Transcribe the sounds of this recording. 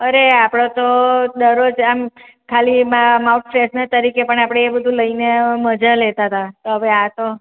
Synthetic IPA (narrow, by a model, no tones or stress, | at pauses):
əɾeapɽ̃ot̪od̪əɾod͡ʒam | kʰalimamauʈfɾesnat̪əɾikepəɳapɽ̃eebəd̪ʱuləineməd͡ʒalet̪at̪at̪oɦəʋeat̪o